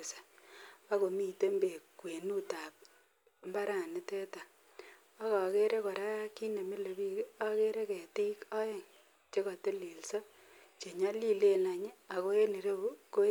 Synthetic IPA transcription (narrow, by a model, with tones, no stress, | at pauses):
sḁ˨a˦ko˨mi˦˨te˦mbe˨kwe˨nu˦ta˨p̚ | mba˦ɾa˨nɪ˦te˦ta˨ | a˦ka˨ke˦ɾe˦kɔ˨ɾa˦ki˦ne˨mi˦le˨bi˦a˦ke˦ɾe˦kɛ˨ti˦kɔ˦e˨ŋ | t͡ʃe˦kɔ˨te˦li˨lsɔ˦ | t͡ʃe˨ɲa˦li˦le˦˨na˨ɲɪ˦a˨ko˦e˦ne˨ɾe˦u˦ko˦